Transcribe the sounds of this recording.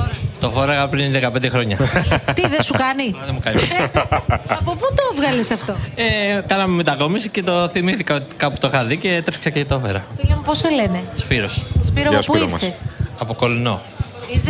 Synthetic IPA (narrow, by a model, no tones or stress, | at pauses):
t̪o̞fo̞ɾɐɣɐpɾinðekɐped̪exɾo̞ɲɐ̰t̪iðesukɐniɐðemukɐni | ɐpoput̪ovɣɐlisɐft̪oekɐnɐmemet̪ɐko̞misice̞t̪o̞θimiθikɐot̪i̥kɐpu̥t̪o̞xɐðice̞t̪ɾefiksɐceet̪ofeɾɐ̰filɐmuposele̞ne̞spiɾo̞sspiɾopuiɾθesɐpoko̞lino̞̰ | iɾ